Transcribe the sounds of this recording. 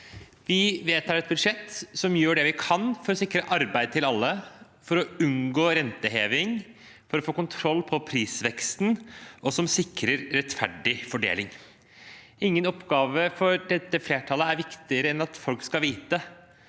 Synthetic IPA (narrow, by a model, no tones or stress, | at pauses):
ʋɪʋeːt̪ʰɑːɾɛt̪̚bʉd̪ʂɛt̪ːsɔmjøːɖɛʋɪkʰɑnfɔɾɔsɪkːɾəʔɑɾbæɪd̪̚t̪ɪlɑlːə | fɔɾɔʉnɡoːɾɛnt̪əɦeːʋɪŋ | fɔɾɔfoːkʊnt̪ʰɾɔlːpʰɔpʰɾiːsʋɛkst̪nʔɔsɔmsɪkɾəɾːɛt̪fæɖɪfɔɖḛːlɪŋ | ɪŋːənɔpːɡɑːʋəfɔɾɖɛt̪ːəfleːʈʰɑləæɾʋɪkt̪ɪəɾəɛnɑt̪fɔlkskɑʋiːt̪ə